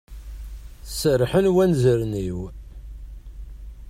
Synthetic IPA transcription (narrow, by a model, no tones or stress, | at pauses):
sərħənwænzəɾniw